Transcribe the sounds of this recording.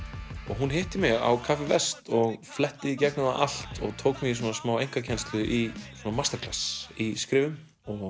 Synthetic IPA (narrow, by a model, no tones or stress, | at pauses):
ɔɣɦunɦɪːht̪ɪmɛɣa̰wkʰafɪvɛst̪ɔɣflɛht̪ːɪðicɛk̚nʏnaʔal̥t̪ɔɣt̪ʰoːwkmɪɣis̬ɔːnasmaːwejŋ̥kacʰɛnst̪lʏʔiswɔːnamast̪ɛɾkl̥asiskɾɪːvʏm | ɔɣ